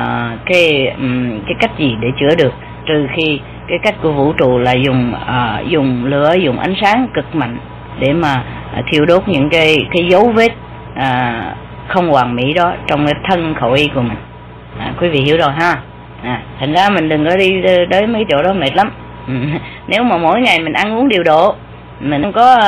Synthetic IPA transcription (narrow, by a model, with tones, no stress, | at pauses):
əː˨˩kaː˨˦j | kaː˨˦jka˦˥jk̟̚zi˨˩ɗe˧˩t͡ɕɨ˧˥əɗɨ˨˩ək̚ | t̪ɨ˨˩xi˧ | kaː˨˦jka˦˥jk̟̚ku˧˩əvṵ˧˥t͡ɕṵ˧˨laː˨˩zʊ˨˩ŋ͡məː˨˩zʊ˨˩ŋ͡mlɨ̰˧˥əzʊ˨˩ŋ͡mʔa˨˦jŋ̟saː˨˦ŋkɨ˨˩k̚ma̰˧˨jŋ̟ | ɗe˧˩maː˨˩˨ | t̪ʰi˧əwɗo˦˥t̚ɲɨ̰˧˥ŋkaː˨˦jkaː˨˦jzə˨˦wve˦˥t̚ | ʔəː˨˩ | xə˧wŋ͡mkwaː˨˩ŋmḭ˧˥ɗɔ˨˦t͡ɕɔ˧wŋ͡mkaː˨˦jt̪ʰə˧nxo˧˩wʔi˧˦ku˧˩əmï˨˩ŋ̟ | ʔaː˨˩kwi˨˦vḭ˧˨ɦi˧˩əwzo˨˩jɦaː˧˩ | ʔaː˨˩t̪ʰa˨˩ŋ̟zaː˧mï˨˩ŋ̟ɗɨ˨˩ŋkɔ˨˦ɗi˧˦ɗəː˨˦jma˨˦kːa˨˦jt͡ɕo̰˧˥ɗɔ˨˦me˨˩t̚la˨˦m˨˩ | ne˨˦wmaː˨˩mo̰˧˥jŋa˨˩jmï˨˩ŋ̟ʔa˧nʔu˨˦əŋɗi˨˩əwɗo̰˧˨ | mi˨˩ŋ̟˧wŋ͡mkɔ˨˦